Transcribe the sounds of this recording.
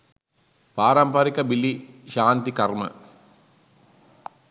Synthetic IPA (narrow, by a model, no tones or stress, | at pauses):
paːɾɐmpaːɾikːɐbilːiɕaːnt̪ikɐrmɐ̰